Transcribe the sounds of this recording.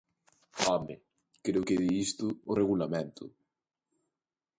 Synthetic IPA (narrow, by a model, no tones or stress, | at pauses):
ɔmɪ | kɾeʊkeðiist̪ʊːreɣulamẽnt̪ʰʊ̰